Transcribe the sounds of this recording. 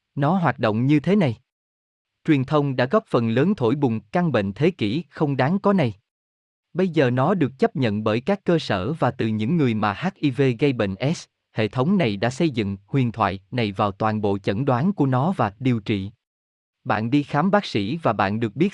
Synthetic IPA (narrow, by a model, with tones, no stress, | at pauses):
nɔ˨˦ɦwaː˨˩t̚ɗo̰˧˨wŋ͡mɲɨ˧t̪ʰe˨˦na˨˩j | t͡ɕwi˨˩ənt̪ʰə˧wŋ͡mɗa̰ː˧˥ɣɔ˦˥p̚fə˨˩nləː˨˦nt̪ʰo˧˩jɓʊ˨˩ŋ͡mka˧ŋɓḛ˧˨nt̪ʰe˨˦kḭ˧˩xə˧wŋ͡mɗaː˨˦ŋkɔ˨˦na˨˩j | ɓə˧jzəː˨˩nɔ˨˦ɗɨ˨˩ək̚t͡ɕə˦˥p̚ɲə̰˧˨nɓəː˧˩jkaː˦˥kːəː˧səː˧˩vaː˨˩t̪ɨ˨˩ɲɨ̰˧˥ŋːɨ˨˩əjmaː˨˩haː˦˥k̚ʔi˧ve˧ɣə˧jɓḛ˧˨ŋ̟ʔɛ˦˥s | hḛ˧˨t̪ʰə˨˦wŋ͡mna˨˩jɗa̰ː˧˥sə˧jzɨ̰˧˨ŋhwi˨˩ənt̪ʰwa̰ː˧˨jna˨˩jvaː˨˩wt̪waː˨˩nɓo̰˧˨t͡ɕə̰˧˥nɗwaː˨˦nku˧˩ənɔ˨˦vaː˨˩ɗi˨˩əwt͡ɕḭ˧˨ | ɓa̰ː˧˨nɗi˧xaː˨˦mɓaː˦˥k̚sḭ˧˥vaː˨˩ɓa̰ː˧˨nɗɨ˨˩ək̚ɓi˦˥t̚